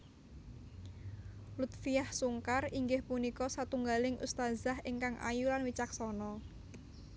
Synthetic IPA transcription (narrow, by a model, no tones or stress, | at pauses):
lut̪̚fijahsuŋkariŋɡɪhpunikɔsat̪uŋɡalɪŋʔṵst̪azaɦɪŋkaŋʔa̰julanwit͡ʃak̚sɔnɔ